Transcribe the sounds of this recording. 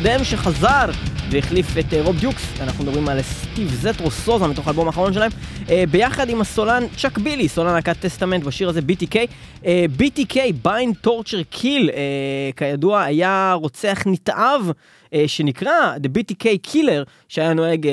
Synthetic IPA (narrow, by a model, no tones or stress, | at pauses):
d̪emʃeχazaʁveiχlifeteʁo̞bdjuksanaχnumed̪abʁimalst̪ivzetʁo̞so̞zamit̪o̞χalbo̞maːχaʁo̞nʃe̞laemebe̞jaχadimasolant͡ʃakbilisolanakat̪ːest̪ame̞ntbaʃiʁazebit̪ikej | ebitikʰejbajnt̪o̞ʁt͡ʃeʁkʰilekajaduaːjaʁo̞t͡seaχnit̪ʔav | ʃe̞nikʁad̪ebit̪ikejkʰile̞ʁ | ʃeajano̞eɡ